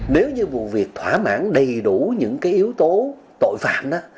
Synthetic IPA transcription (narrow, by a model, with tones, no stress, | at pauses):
ne˨˦wɲɨ˧mu˨˩əvi˨˩ək̚t̪ʰwaː˧˩ma̰ː˧˥nɗə˨˩jɗu˧˩ɲɨ̰˧˥ŋkaː˨˦jʔi˨˦əwt̪o˨˦ | t̪o̰˧˨jfa̰ː˧˨nʔaː˨˥